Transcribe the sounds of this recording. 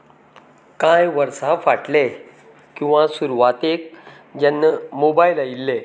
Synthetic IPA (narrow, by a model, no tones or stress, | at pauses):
kãjʋəɾsafaʈle | kĩw̃ʋãsuɾʋat̪ek̚ | d͡ʑanːəmobajlajilːe